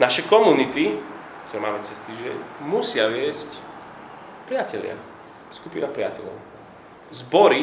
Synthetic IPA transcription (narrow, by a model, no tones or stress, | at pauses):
naʃɛkɔmunit̪i | k̚t̪ɔɾɛmaːmɛt͡sɛst̪iːʒɛ̰ɲmusɪaʋɪɛsc | pɾɪacɛʎɪa̰ | skupinapɾɪa̰cɛʎɔ̰ʊ | zbɔɾi